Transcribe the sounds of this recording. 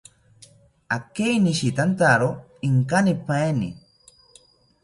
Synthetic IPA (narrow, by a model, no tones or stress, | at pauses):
akejniʃit̪ant̪aɾo | iŋkanipaenḭ